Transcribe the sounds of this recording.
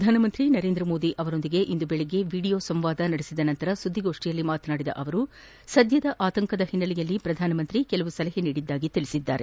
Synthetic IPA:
d̪ʱaːnɐmɐnt̪ɾinɐɾe̞ːnd̪ɾɐmoːd̪iʔɐʋɐɾo̞nd̪iɡe̞ʔind̪ubeɭeɡe̞ʋiːɽijo̞ːsɐmʋaːd̪ɐnɐɽesid̪ɐnɐnt̪ɐɾɐsud̪ʱːiɡo̞ːʂʈijɐlːimaːt̪naːɽid̪ɐ̰ʔɐʋɐɾu | sɐd̪ʱjɐd̪ɐʔaːt̪ɐŋkɐd̪ɐhinːɐlijɐlːipɾɐd̪ʱaːnɐmɐnt̪ɾikɛlɐʋusɐlɐɦeniːɽid̪ːaːɡit̪iɭisid̪ːa̰ːɾe

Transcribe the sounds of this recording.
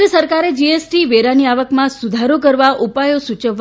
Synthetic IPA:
isəɾkaɾed͡ʒiesʈiʋeɾaniaʋəkmãsud̪ʱaɾokəɾʋaʔupajosut͡ʃəʋ

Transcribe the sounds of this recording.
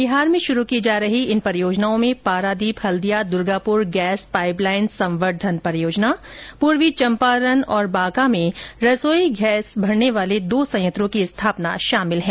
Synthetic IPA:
bɪɦaːɾmẽʃʊɾukid͡ʒaːɾɐɦiɪnpɐɾjoːd͡ʒnaːõmẽpaːɾaːd̪iːphɐld̪ijad̪ʊɾɡaːpʊɾɡɛːspaːɪplaːɪnsɐ̃mʋəɾd̪ʱənpɐɾjoːd͡ʒnapuːɾʋit͡ʃɐ̃mpaːɾənɔːɾbaːkamẽɾɐsoːiɡʱɛːsbʱɐɾneʋaːled̪oːsɐ̃jə̃t̪ɾõkiɪst̪ʰaːpna̰ʃaːmɪlɦɛ̃ː

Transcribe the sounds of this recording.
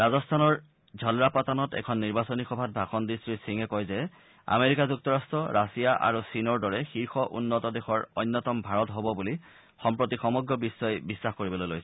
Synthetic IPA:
ɹazɔstʰanɔɹ | zʱɔlɹapatanɔtɛ̰kʰɔnːiɹbasɔnixɔbʱat̚bʱaxɔndistɹisiŋɛkɔjzɛ | a̰meɹikazuk̚tɔɹastʰɔɹasijaʔa̰ɹusinɔɹdɔɹɛxiɹxɔʔunːɔtɔdexɔɹɔjnːɔtɔmbʱaɹɔtɦobɔbuli | xɔmpɹotixɔmɔɡɹɔbisːɔjbisːaxkoɹibɔlojlojsɛ

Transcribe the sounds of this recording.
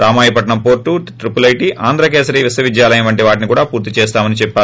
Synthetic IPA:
ɾaːmaːjɐpɐʈɐɳɐmpo̞ːɾʈːuʈɾipulɐjiʈiʔaːnd̪ɾɐk̬eːsɐɾiʋisɐʋid͡ʒjaːlɐjɐmʋɐɳʈiʋaːʈinikuːɽaːpuːɾt̪it͡ʃɛːst̪aːmɐnit͡ʃɛpːaː

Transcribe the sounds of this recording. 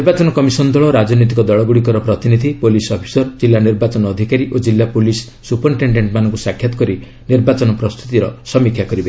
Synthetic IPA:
iɾbat͡ʃɔnɔkɔmisɔnd̪ʱɔɭɔɾad͡ʒɔnɔt̪̬ikɔd̪ɔɭɔɡuɽik̬ɔɾɔpɾɔt̪inid̪ʱipolisɔpʰi̥sɔɾd͡ʒilːaniɾbat͡ʃɔnɔːd̪ʱikaɾiʔod͡ʒilːapolisːupɔɾʈeɳɖeɳʈmanɔŋkusakʰjat̪ɔ̥kɔɾi | niɾbat͡ʃɔnɔpɾɔst̪ʰu̥t̪iɾɔsɔmikʰjakɔɾibe

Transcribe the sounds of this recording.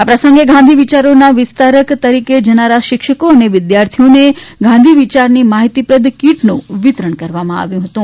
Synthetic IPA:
apɾəsə̃ŋɡeɡʱãnd̪ʱiʋit͡ʃaɾonaʋɪst̪ʰaɾəkt̪əɾiked͡ʒənaɾaʃɪkʃəkoəneʋɪd̪jaɾt̪ʰijoneɡʱãnd̪ʱiʋit͡ʃaɾnimaɦit̪ipɾəd̪ʱkiʈnũʋɪt̪ɾəɳkəɾʋamãa̰ʋjũɦət̪ũ

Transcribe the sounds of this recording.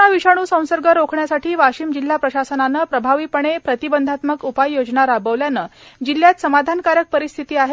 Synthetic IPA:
aʋiɕaɽ̃uːsə̃w̃səɾɡəɾokʰɳjasaʈʰiːʋaɕiːmd͡ʑil̤ːapɾəɕasənanəpɾəbʱaʋiːpəɳ̃epɾət̪ibənd̪ʱat̪məkupajːod͡ʑnaɾabəʋljanəd͡ʑilːjat̪səmad̪ʱankaɾjək̚pəɾist̪ʰit̪iːaɦe

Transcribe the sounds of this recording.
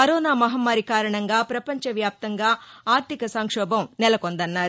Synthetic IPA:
kɐɾɔːnaːmɐɦɐmːaːɾikaːɾɐɳɐŋɡaːpɾɐpɐɲt͡ʃɐʋjaːp̚t̪ɐŋɡaːaːɾt̪ʰikɐsɐŋkʂɔːbɐmnɛlɐkond̪ɐnːaːɾu

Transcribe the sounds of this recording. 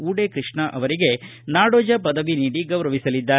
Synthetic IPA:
uːɽekɾɨʂɳɐʔɐʋɐɾiɡe̞naːɽoːd͡ʒɐpɐd̪ɐʋiniːɽiɡɐʋɾɐʋisɐlid̪ːaː

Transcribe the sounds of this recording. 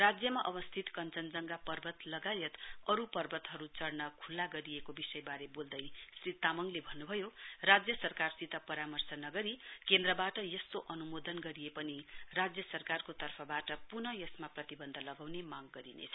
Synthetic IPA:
rad͡zjʌmaʔʌbʌst̪ʰit̪kʌnt͡sʌnd͡zʌŋɡapʌrbʱʌt̪lʌɡajʌt̪ʌɾupʌrbʱʌt̪ɦʌɾut͡sʌrnʌkʰulːaɡʌɾiekobisʌjbaɾebold̪ʌjsrit̪amʌŋlebʱʌnːubʱʌjorad͡zjʌsʌrkarsit̪ʌpʌɾamʌrsʌnʌɡʌɾikend̪rʌbaʈʌjʌst̪oʔʌnumod̪ʌnɡʌɾijepʌnirad͡zjʌsʌrkarkot̪ʌrpʰʌbaʈʌpunʌjʌsmaprʌt̪ibʌnd̪ʱʌlʌɡawnemaɡːʌɾinḛt͡sʰʌ̥

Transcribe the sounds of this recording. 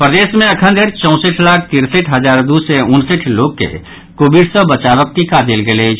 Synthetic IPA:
pɾəd̪eːsmẽɐkʰənd̪ʱeːɾt͡ʃə̃ʊ̃səʈʰlaːk̚ʰt̪iɾsiʈʰɦəd͡ʒaːɾd̪useʊnsiʈʰloːɡ̚kḛ | koːbiɖsə̃bət͡ʃaʋək̚t̪ikad̪elɡelet͡ʃʰ

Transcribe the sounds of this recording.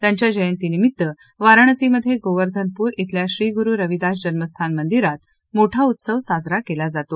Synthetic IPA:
t̪jaɲt͡ɕjad͡ʑəjənt̪inimit̪ːə | ʋaɾəɳ̃əsiməd̪ʱːjeɡoʋəɾd̪ʱənpuːɾit̪ʰljaɕɾiːɡuɾuːɾəʋid̪as̬d͡ʑənməst̪ʰanmənd̪iɾat̪ | moʈʰaut̪səʋsad͡zɾakelad͡zat̪o

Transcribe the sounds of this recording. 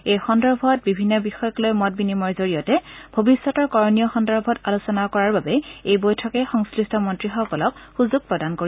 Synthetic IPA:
ejxɔndɔɹbʱɔt̚bibʱinːɔbixɔjɔklojmɔt̚binimɔɹzoɹijɔtɛbʱobisːɔtɔɹkɔɹnijɔxɔndɔɹbʱɔtalusɔnakɔɹaɹbabɛejbojtʰɔkɛxɔŋskɹistʰɔmɔntɹixɔkɔlɔkxuzuɡ̚pɹɔdankoɹi

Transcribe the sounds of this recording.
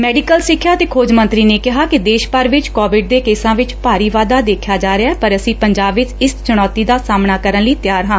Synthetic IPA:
mɛːɖɪkəlsɪkʰːjaːət̪eːkʰoːd͡ʒmə̃nt̪ɾiːneːkɪɦaːkɪd̪eːʃpəɾʋɪt͡ʃkɔːʋɪɖ̚d̪eːkeːsãːʋɪt͡ʃpaːɾiːʋaːd̪aːd̪eːkʰjaːd͡ʒaːɾɪaːɛːpəɾəsĩːpəɲd͡ʒaːbʋɪt͡ʃɪst͡ʃʊɽ̃ɔːt̪iːd̪aːsaːmnaːkəɾənləiːt̪ɪjaːɾɦãː

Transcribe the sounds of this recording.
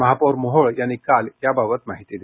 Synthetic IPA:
məɦapoɾmoɦoɭjanikaljababət̪maɦit̪id̪e

